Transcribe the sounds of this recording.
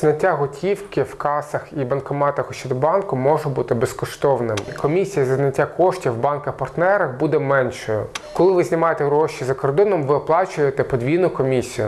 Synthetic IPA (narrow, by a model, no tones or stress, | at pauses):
znɐtʲːaɦɔtʲiwkɪwkɑsɐxibɐnkɔmɑt̪ɐxʊʃt͡ʃɔd̪ɔbɑnkʊmɔʒʊbut̪ɪbeskɔʃt̪ɔwnɪmɪkɔmʲisʲijɐzɐznɐtʲːakɔʃtʲiwbɑnkɐxpɐrt̪nɛɾɐxbud̪ɛmɛnʃɔjʊkɔlˠɪʋɪznɪmɑjet̪ɛɦɾɔʃizɐkɔrd̪ɔnɔmʋɪɔplˠɑt͡ʃʊjet̪ɛpɔd̪ʲʋʲijnʊkɔmʲisʲijʊ